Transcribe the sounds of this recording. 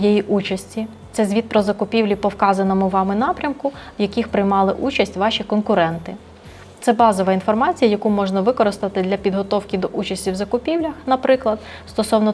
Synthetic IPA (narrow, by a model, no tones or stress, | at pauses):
jɛjiʔut͡ʃɐsʲtʲi | t̪sɛzʲʋʲid̪̚pɾɔzɐkʊpʲiwlʲipɔwkɑzɐnɔmʊʋɑmɪnɑpɾʲɐmkʊwjɐkʲixpɾɪjmɑlˠɪʔut͡ʃɐsʲtʲʋɑʃʲikɔnkʊɾɛnt̪ɪ | t̪sɛbɑzɔʋɐinfɔrmɑt͡sʲijɐjɐkumɔʒnɐʋɪkɔɾɪst̪ɐt̪ɪd̪lʲɐpʲid̪ɦɔt̪ɔwkʲɪd̪ɔʔut͡ʃɐsʲtʲiwzɐkʊpʲiwlʲɐxnɐpɾɪklˠɐd̪̥̚ | st̪ɔsɔwnɔ